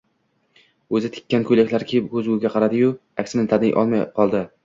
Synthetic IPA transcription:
ɵzɪt̪ʰɪ̥kʲːankʰɵjlakʲlaɾkʲʰejɪp̚kʰɵzɡʊɡʲaqʰɑɾad̪ɪjʊakʲsɪnɪt̪ʰad̪ɪjʔɒ̰lˠmajqʰɒlˠd̪ɪ

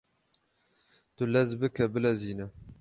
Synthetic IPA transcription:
t̪ʊlɛzbɨkʰɛbɨlɛziːnɛ

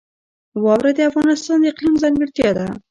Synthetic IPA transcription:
wɑwɾad̪eafɣɑnɪst̪ɑnd̪əɪqlimzaŋɡəɽt̪jɑd̪a

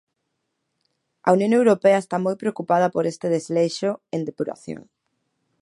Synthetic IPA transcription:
ɐ̰unjõŋewɾopeɐest̪amojpɾeokupað̞ɐpoɾest̪eðezleʃoend̪epuɾa̰θjo̰ŋ

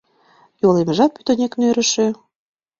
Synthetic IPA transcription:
joleməʒɑpyt̪ŏnʲeknøɾə̆ʃe

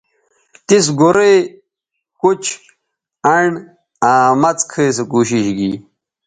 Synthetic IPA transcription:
t̪is̬ɡuɾej | kut͡ɕʰ | ɐɳ | aːmɐt͡skʰeːs̬ekuːɕiɕɡḭ

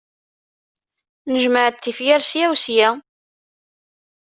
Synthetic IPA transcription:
nəʒməʕət̪θːifjaɾsjæwsjæ

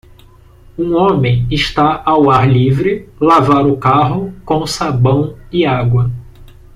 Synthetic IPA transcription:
ũõmẽj̃ɪʃt̪aʔawaɾlivɾɪlavaɾʊkaɦʊkõsabɐ̃w̃ɪaɡwɐ

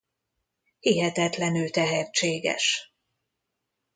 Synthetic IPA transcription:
hiɦɛt̪ɛt̪lɛnylt̪ɛɦɛrt͡ʃeːɡɛ̰ʃ

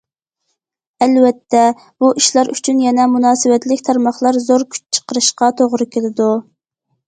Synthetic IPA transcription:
ɛlwɛt̪ʰːɛ | b̥uʔiʃlˠɑɾʔyt͡ʃʰynjɛnɛmunɑːsɨwɛt̪lɪkʲt̪ʰɑɾmɑχlˠɑɾzoɾkʲʰy̥t͡ʃt͡ʃʰə̥qəɾɨʃqɑt̪ʰoʁɾɨkʲelɪd̪u

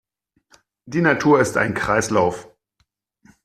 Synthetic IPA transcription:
d̥iːnatʰuːɐɪsta̰ɪnkʁ̥aɪslaʊf

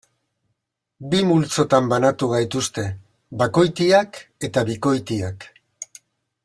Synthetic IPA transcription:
bimult͡so̞t̪ambanat̪uɣ̞ajt̪ust̪e̞ | bako̞jt̪iake̞t̪aβiko̞jt̪iak

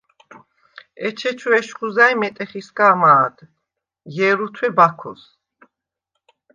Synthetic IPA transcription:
ɛt͡ʃʰɛt͡ʃʰuɛʃχuzajmɛt̪ʼɛχiskaːmaːd̪ | jɛɾut̪ʰwɛbakʰɔ̰s

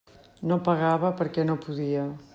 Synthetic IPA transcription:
nopɐɣaβɐpəɾkɛnopuðiɐ

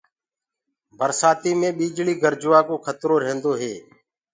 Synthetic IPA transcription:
bʱəɾsaːt̪iːmẽːɓiːd͡ʒɭiːɡʱəɾd͡ʒʊʋaːkoːkʰət̪ɾoːɾẽːnd̪oːɦeː

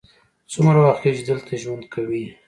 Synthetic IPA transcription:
t͡sʊmɾawaxt̪ket͡ʃed̪əlt̪ʰaʒwand̪kʰawi

